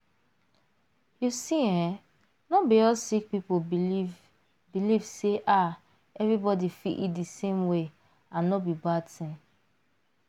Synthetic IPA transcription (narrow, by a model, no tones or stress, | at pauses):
jusiɛ̃ | nɔbijɔsik̚pipo | bilivseʔa | ɛvɹibɔdifiʔitdisẽmwe | ãnnːɔbibadtʰɛ̃